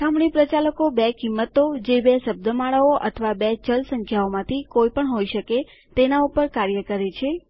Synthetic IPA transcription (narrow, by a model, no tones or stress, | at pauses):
sʰamɳipɾət͡ʃaləkobekimːət̪od͡ʒebesəb̚d̪əmaɭaoʔə̰t̪ʰəʋabɛt͡ʃəlsə̃ŋkʰjaomãt̪ʰikojpəɳɦojʃəke | t̪enaupəɾkaɾjəkəɾet͡ʃʰe